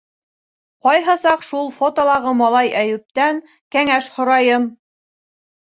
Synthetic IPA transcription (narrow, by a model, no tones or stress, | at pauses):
qɒjɦɑsɑqʃulˠfot̪olˠɑʁɤmɑlˠɑjæjʉ̆p̚t̪æŋ | kæŋæʃhŏɾɑjɤm